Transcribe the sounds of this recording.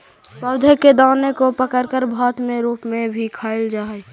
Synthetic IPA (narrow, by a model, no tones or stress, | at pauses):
pəʊd̪ʱəkːed̪aːnekopəkəɾkəɾbʱɔːt̪mẽɾuːpmẽbʱikʰaːɪld͡ʒaːɛ